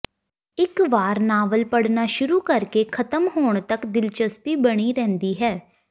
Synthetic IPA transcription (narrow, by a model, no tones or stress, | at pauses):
ɪkʋaːɾnaːʋəlpəɽnaːʃʊɾuːkəɾkeːkʰət̪əmɦoːɳ̃t̪əkd̪ɪlt͡ʃəspiːbəɽ̃iːɾɛ̃ːnd̪iːɦɛː